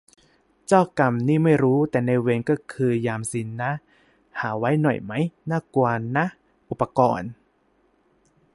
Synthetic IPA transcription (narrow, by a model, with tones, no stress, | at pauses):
t͡ɕaː˥˩wka˧mniː˥˩ma˥˩jɾuː˦˥t̪ɛː˨˩na˧we˧nkɔː˥˩kʰɯː˧jaː˧msi˩˦nːa˦˥ | haː˩˦wa˦˥jnɔ̰˨˩jma˦˥jnaː˥˩ku˧ɐna˦˥ | ʔu˨˩pːa˧kɔː˧n